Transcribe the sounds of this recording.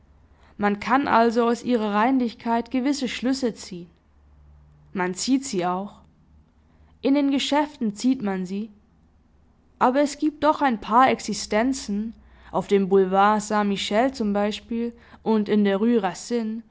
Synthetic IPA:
mankʰanʔa̰lzoaʊsʔiːʁ̞ɐʁaɪnlɪçkʰaɪtɡ̥əvɪsəʃlʏsət͡siːən | mant͡siːtz̥iːaʊx | ʔɪndeːnɡəʃɛftn̩t͡siːtmanziː | ʔaːbɐɛsɡ̥iːp̚t̚d̥ɔχaɪnpʰaːɐɛksɪstɛnt͡sn̩ | ʔaʊfd̥eːmbulvaːɐsãmiʃɛlt͡sʊmbaɪʃpiːl | ʔʊntɪndeːɐʁyːʁasɪn

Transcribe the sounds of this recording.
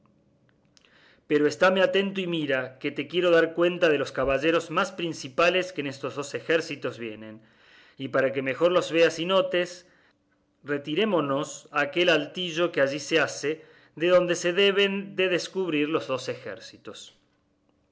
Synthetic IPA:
peɾo̞est̪ameat̪e̞nt̪oimiɾake̞t̪e̞kje̞ɾo̞ðaɾkwe̞nt̪að̞e̞lo̞skaβaʒe̞ɾo̞zmaspɾinsipale̞skeːnest̪o̞zðo̞sexeɾsit̪o̞zβje̞nẽ̞n | ipaɾake̞mexo̞ɾlo̞zβe̞asino̞t̪e̞s | re̞t̪iɾe̞mo̞nosake̞lalt̪iʒo̞keaʒisease | ðe̞ðo̞nd̪ese̞ðe̞β̞e̞nd̪e̞ðeskuβɾiɾlo̞zðo̞se̞xḛɾsit̪o̞s

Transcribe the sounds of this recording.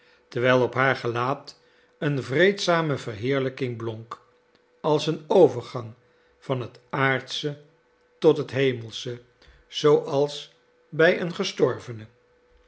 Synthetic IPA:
təɹʋɛjlˠɔpɦaːɹχəlaːt | ənvrejtsaːməvərɦɪːɹləkɪŋblɔŋk | ɑlˠsənowvəɹχɑŋ | v̥ɑnɦətaːɹtsə | tɔtɦətɦejməlˠsə | z̥owʔɑlˠs | bɛjənχəstɔɹvənə

